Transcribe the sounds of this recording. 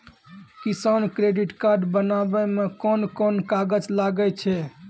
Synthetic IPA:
kisankɾeɖiʈkaɾɖbənabɛmekɔnkɔnkaɡəd͡ʒlaɡɛt͡ʃʰɛ

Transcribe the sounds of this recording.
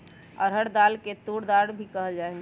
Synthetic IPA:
ɔ̰ɾɦəɽd̪aːlket̪uɽd̪aːɾbʱikəɦəld͡ʒaːɛɡ

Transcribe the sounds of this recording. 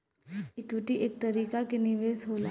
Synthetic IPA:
ɪkʋɪʈiʔeːk̚t̪ɐɾiːkakenɪʋeːsɦoːla

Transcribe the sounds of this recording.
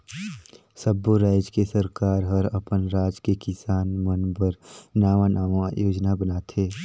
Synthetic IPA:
səbːoɾaːd͡ʒkesəɾkaːɾɦəɾəpənɾaːd͡ʒkekɪsaːnmənbəɾnaːʋãnʔaːʋãjoːd͡ʒnabənaːt̪ʰeː

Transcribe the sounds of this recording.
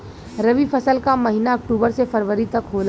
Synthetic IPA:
ɾɐʋifɐsəlkamɐɦinaɐk̚ʈuːbəɾsefɐɾʋəɾit̪ɐkɦoːla

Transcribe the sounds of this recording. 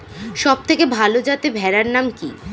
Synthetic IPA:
ʃɔb̚t̪ʰekebʱalod͡ʑat̪ebʱɛɾaɾnamkḭ

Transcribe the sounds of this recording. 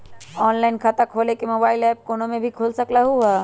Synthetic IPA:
ɔnlaɪnkʰat̪əkʰolekemobaːilɛp̚konomebʱikʰolsəklaɦuɦɛ

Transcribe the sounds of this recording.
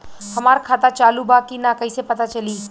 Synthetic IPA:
hɐmaːɾkʰaːt̪at͡ʃaːlubakinakɐisepɐt̪at͡ʃɐliː

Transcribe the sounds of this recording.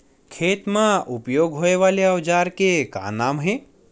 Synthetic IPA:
kʰeːt̪mãʊpjoːɡɦoːeʋaːleɐʋd͡ʒaːɾkeka̰ːnaːmɦẽː

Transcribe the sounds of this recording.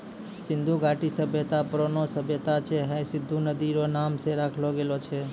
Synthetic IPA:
sɪnd̪ʱuɡaʈisəbʱjət̪apɾonosəbʱjət̪at͡ʃʰeɦə̃sɪd̪ʱːunəd̪iɾonamseɾakʰloɡelot͡ʃʰe

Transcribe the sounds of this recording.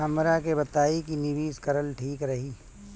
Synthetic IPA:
ɐmɾakebɐt̪aːikinɪʋiːskɐɾəlʈʰiːkɾɐɦiː

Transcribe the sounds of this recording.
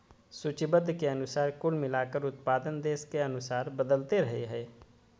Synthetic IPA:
sʊt͡ʃibəd̪ʱːkeɐnʊsaːɾkʊlmɪlaːkəɾʊt̪̚paːd̪ənd̪eːskeɐnʊsaːɾbəd̪əlt̪eɾɐɦeɦɛː

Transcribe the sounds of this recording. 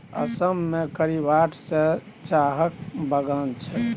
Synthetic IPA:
ə̰səmːekəɾibaʈʰsẽ | t͡ʃaɦək̚bəɡənt͡ʃʰɛ

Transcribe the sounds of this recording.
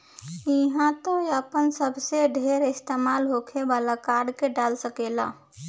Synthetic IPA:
iɦãt̪oəpənsəbseɖʱeɾɪst̪emaːlɦokʰebalakaɾɖkeɖalsəkela̰

